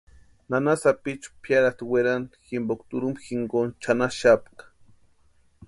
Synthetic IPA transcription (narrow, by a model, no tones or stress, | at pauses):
nanasapit͡ʃpʰjaɾat̪weɾanximbokt̪uɾumpxiŋɡont͡ʃanaʃapkḁ